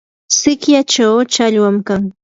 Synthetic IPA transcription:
sɪkjat͡ʃawt͡ʃaʎwamkaŋ

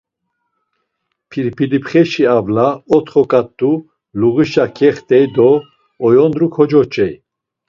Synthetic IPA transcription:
pʰiɾipʰilipʰχɛʃiavlaɔt̪χɔkʼat̪ʼːu | luɣiʃakʰʼɛχt̪ʼɛjd̪ɔː | jɔnd̪ɾukʰɔd͡ʒɔt͡ʃʼɛj

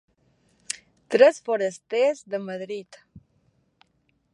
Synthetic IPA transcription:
t̪ɾesfoɾest̪esd̪əmaðɾid̪

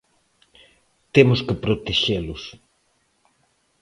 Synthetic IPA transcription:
t̪emʊskɪpɾot̪eʃelʊs

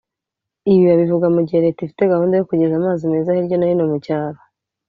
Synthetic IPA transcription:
iβiβaβivuɡamuɟiheɾe̞tifite̞ɡahuːndejo̞kuɟezamaːzime̞ːzahiɾɟo̞najinomucaːɾa

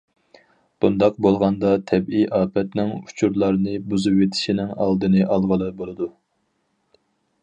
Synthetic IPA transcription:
b̥und̪ɑq̚bolˠʁɑnd̪ɑt̪ʰɛbijʔɑːpɛt̪nɪŋu̥t͡ʃʰuɾlˠɑɾnɨbuzɨpwet̪ʰɪ̥ʃinɪŋɑ̰lˠd̪ɨnɨʔɑlˠʁəlˠɨbolˠɨd̪u

